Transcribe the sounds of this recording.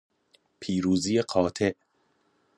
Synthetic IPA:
pʰiːɾuːziːjeqʰɒːt̪ʰe̞ʔ

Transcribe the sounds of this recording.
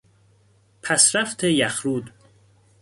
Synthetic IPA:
pʰæsɾæft̪ʰejæxɾuːd̪

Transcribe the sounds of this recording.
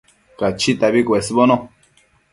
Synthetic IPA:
kat͡ʃit̪aβikʷwesbonõ

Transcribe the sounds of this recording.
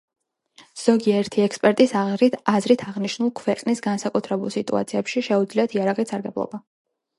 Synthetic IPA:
z̥ɔɡiaɛɾt̪ʰiɛkspʼɛɾt̪ʼisaʁɾit̪ʰazɾit̪ʰaʁniʃnulˠkʰwɛqʼnisɡansakʼut̪ʰɾɛbulˠsit̪ʼṵa̰t̪sʰiɛpʃiʃɛud̪zliat̪ʰiaɾaʁʼisaɾɡɛblˠɔ̰ba

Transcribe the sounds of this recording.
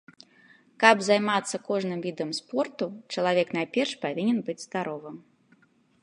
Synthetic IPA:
kɐbzajmat̪sːɐkɔʐnɨmvʲid̪ɐmspɔrt̪ut͡ʂɐlˠavʲɛknajpʲɛrʂpavʲinʲɛnbɨd͡zʲz̥d̪aɾɔvɨm

